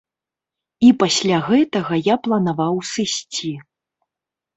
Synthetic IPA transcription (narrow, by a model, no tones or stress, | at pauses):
ipasʲlʲaɣɛt̪ɐɣɐjaplˠɐnavawsɨsʲt͡sʲi